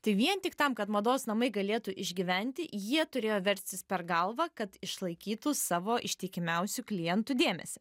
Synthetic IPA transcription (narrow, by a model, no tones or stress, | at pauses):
t̪ɐɪʋʲiɛnt̪ʲɪkt̪ɐmkɐt̪mɐd̪oːsnɐmɐɪɡɐlʲeːt̪uʔɪʒʲɡʲɪʋʲɛnʲt̪ʲɪjiɛt̪ʊɾʲeːjoːʋʲɛɾʲsʲt̪ʲɪspʲɛɾɡɐlˠʋɐkɐt̪ɪʃlˠɐɪkʲiːt̪ʊsɑːʋoːʔɪʃʲt̪ʲɪːkʲɪmʲɛʊsʲʊklʲɪjɛnt̪ʊd̪ʲeːmʲɛ̰sʲɛ